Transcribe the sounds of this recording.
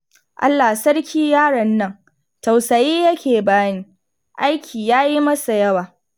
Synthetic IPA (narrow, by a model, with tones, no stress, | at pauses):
ʔa̰˦lːa˨sɐ˦ɽkʲʰiː˦jaː˦ɽɐ˨nːɐ˦ŋ | tɐ˨wsɐ˨jiː˦jɐ˦kʲeː˨baː˦niː˦ | ʔa˦jkʲʰiː˨jaː˦ji˦mɐ˦sa˨jɐ˦waː˨